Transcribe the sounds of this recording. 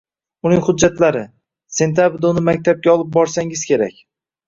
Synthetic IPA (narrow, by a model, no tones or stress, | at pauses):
ʊnɪŋhʊdd͡ʒːat̪laɾɪ | se̞nt̪ʰabɾd̪oʊnɪmak̚ʲt̪ʰab̚ɡʲaɒlˠɪp̚bɒɾsaŋɪz̥kʲʰe̞ɾa̰kʲ